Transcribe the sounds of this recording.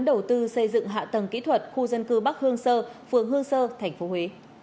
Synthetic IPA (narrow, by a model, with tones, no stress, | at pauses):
nɗə˨˩wt̪ɨ˧sə˧jzɨ̰˧˨ŋɦa̰ː˧˨t̪ə˨˩ŋkḭ˧˥t̪ʰwə˨˩t̚xu˧zə˧nkɨ˧ɓa˦˥k̚hɨ˧əŋsəː˧fɨ˨˩əŋɦɨ˧əŋsəː˧t̪ʰɛ˨˩jŋ̟fo˨˦ɦwe˨˦